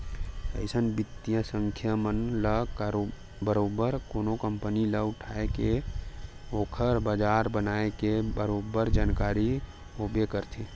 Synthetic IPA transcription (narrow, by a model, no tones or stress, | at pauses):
ə̰ɪsənbɪt̪ːijə̃sə̃ŋkʰjəmənləkɾ | bəɾoːbəɾkoːnokəmpəniləʊʈʰaːeke | oːkʰəɾbaːd͡ʒaːɾbənaːekebəɾoːbəɾd͡ʒaːnkaːɾi | oːbekəɾt̪ʰi